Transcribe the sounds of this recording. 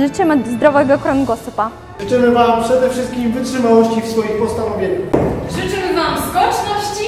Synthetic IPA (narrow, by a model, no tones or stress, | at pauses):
ɘt͡ɕɛmɛd̪zd̪ɾɔvɛɡɔkɾɔnɡɔsɔpa | ʐɨt͡ʂɘmɘvampʂɛd̪ɛfʂɘst̪̚kʲimvɘtʂɘmawɔɕt͡ɕifsfɔjixpɔst̪anɔvʲjeɲaxʐɨt͡ʂɘmɘvamzɡɔt͡ʂnɔɕt͡ɕi